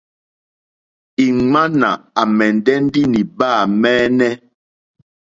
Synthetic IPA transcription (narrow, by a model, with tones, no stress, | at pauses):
i˨ŋ͡ma˦na̰˨a˨mɛ˨n˨dɛ˦n˦di˦ni˨ba˦˨mɛː˦nɛ˦